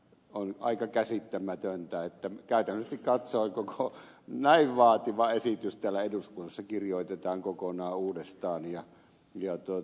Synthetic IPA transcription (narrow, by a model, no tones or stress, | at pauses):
onɑ̰ikɑkæsit̪ːæmæt̪ønt̪æet̪ːækæˑyt̪ænːsest̪ikkɑt̪soːŋkokʰo | næiʋʋɑːt̪iʋɑesit̪yst̪ælːæeduskunːɑsːɑkirjoˑit̪et̪ɑːŋkokonɑːuːdest̪ɑːnjɑ | jɑt̪uo